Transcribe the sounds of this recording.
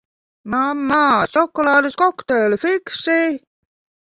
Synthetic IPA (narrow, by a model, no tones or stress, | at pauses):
mɑmːɑsokːolɑːleskokt̪eːlfiksi